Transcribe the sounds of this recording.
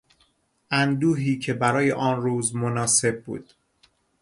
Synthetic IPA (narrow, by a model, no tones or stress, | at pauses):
ʔænd̪uːɦiːcʰe̞bæɾɒːjḛʔɒːnruːzmonɒːse̞b̚ːṵːd̪̥